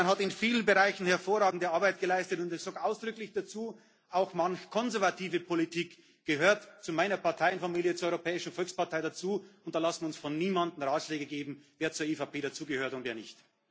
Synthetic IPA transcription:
anɦatɪnfiːlənbəʁaɪçn̩hɛɐfoːɐʁaːɡŋ̩dəaɐbaɪt̚ɡ̥əlaɪstətʊntɛst͡soːkʔaʊsd̥ʁʏklɪçd̥at͡suː | ʔaʊxmançkʰɔnzɛɐvatʰiːvəpʰolitʰiːk | ɡ̥əɦøːɐtt͡sumaɪnɐpaɐtʰaɪnfamiːljət͡suːɐɔʏʁopʰɛːɪʃn̩fɔlkspaɐtʰaɪdat͡suːʊnt̚d̥aːlasn̩ʊnsfɔnːiːmandn̩ʁaːtʃlɛːɡəɡeːbm̩veːɐt͡suːɐefapʰeːɾat͡suːɡəhøːɐtʊntveːɐnɪçt

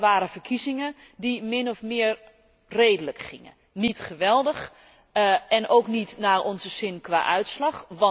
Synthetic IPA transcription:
ʋaːɾəfərkʰizɪŋə | dimɪnɔfmɪər | reːdələkχɪŋə̰ | nitχəʋɛlˠdəx | ʔɛnʔowknitnaːrʔɔnzəsɪnkwa̰ːʔœɥtslɑxʋɑ

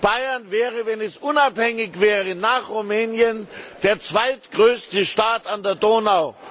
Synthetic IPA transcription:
b̥aɪɐnvɛːʁəvɛnɛsʔʊnaphɛŋɪçv̥ɛːʁənaːχʁumɛːnjənd̥eːɐt͡sv̥aɪtɡ̥ʁøːstəʃtaːtandeːɐdoːnaʊ

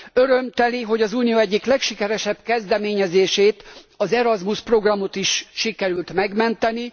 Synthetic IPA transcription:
øɾømt̪ɛliɦo̞ɟɒzuːnijoɛɟːiklɛkʃikɛɾɛʃɛbkɛzd̪ɛmeːɲɛzeːʃeːt̪ | ɒzɛɾɒzmuʃpro̞ɡrɒmo̞t̪iʃʃikɛɾylt̪mɛɡmɛnt̪ɛni

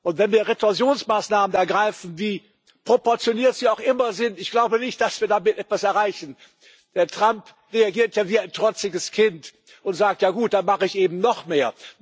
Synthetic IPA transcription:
ʔʊntv̥ɛnviːɐʁetɔzjoːnsmaːsnaːmənɛɐɡʁaɪfn̩viː | pʁ̥opɔɐt͡sjoniːɐtz̥iːaʊxʔɪmɐzɪntɪçɡ̥laʊbənɪçt̚d̥asv̥iːɐdamɪtʔɛtv̥asɛɐʁaɪçn̩ | d̥eːɐtʁ̥amp | ʁeaɡiːɐtjaviːaɪntʁ̥ɔt͡sɪɡəskʰɪnt | ʔʊntz̥aːk̚tjaːɡuːt̚d̥anmaχəɪçʔeːbm̩nɔχmeːɐ

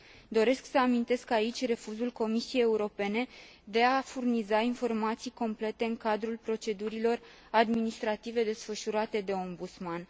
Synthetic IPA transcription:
d̪o̞ɾe̞sksəamint̪e̞skait͡ʃʲre̞fuzulko̞misie̞jeuɾo̞pe̞ne̞d̪e̞afurnizainfo̞rmat̪sijko̞mple̞t̪e̞ɨŋkad̪ɾulpɾo̞t͡ʃe̞d̪uɾilo̞r | ad̪minist̪ɾat̪ive̞d̪e̞sfəʃuɾat̪e̞d̪e̞o̞mbut̪sman

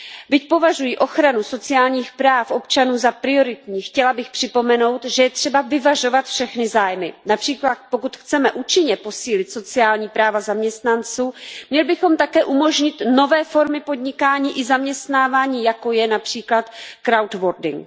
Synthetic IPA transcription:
bɪcpo̞vaʒujiʔo̞xɾanuso̞t͡sɪjaːlɲiːxpɾaːfʔo̞pt͡ʃanuːzapɾɪo̞ɾɪt̪ɲiːxcɛlabɪxpr̥ɪpo̞mɛno̞wt̪ʒɛjɛt̪r̝̥ɛbavɪvaʒo̞vat̪fʃɛxnɪzaːjmɪnapr̥iːklat̪̚po̞kut̪xt͡sɛmɛʔuːt͡ʃɪɲɛpo̞siːlɪt̪so̞t͡sɪaːlɲiːpɾaːvazamɲɛst̪nant͡suːmɲɛlɪbɪxo̞mt̪akɛːʔumo̞ʒɲɪt̪no̞vɛːfo̞ɾmɪpo̞d̪ɲɪkaːɲiːʔɪzamɲɛst̪naːvaːɲiːjako̞jɛnapr̝̥iːklat̪kɾawt̪voɾdɪŋ

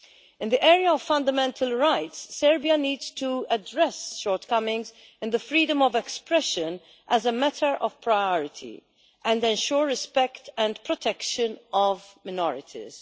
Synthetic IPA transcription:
ɪ̃nðiʔɛːɾiaɔv̥fɐ̃nd̪əmɛ̃nt̪ʰəlɹaɪtsːɛɹbiɐniːdz̥t̪uədɹɛsʃɔːɹt̪kʌmɪ̃ŋz | ɪ̃nðəfɾiːdə̃mɔvɛkspɾɛʃə̃n | ʔæzəmæt̪ʰəɹʔɔv̥pʰɹajɔɹɪt̪ʰḭ | ʔɛ̃ndɛ̃nʃɔːɹːɪspɛkt̪ɛ̃nd̪pɹɔt̪ʰɛkʃə̃nɔvmɪnɔɹɪt̪ʰḭz̥

